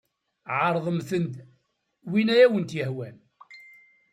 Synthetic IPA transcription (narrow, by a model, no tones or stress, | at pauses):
ʕɑɾˤðˤəmθənd̪ | winæjæwənt̪jəhwæn